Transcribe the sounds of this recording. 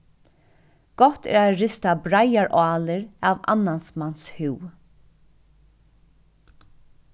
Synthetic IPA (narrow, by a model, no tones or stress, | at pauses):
ɡ̥ɔht̪ɛ̰ːɾaɹɪst̪abɾajaɹʔɑːlɪɹava̰nːansmanshuw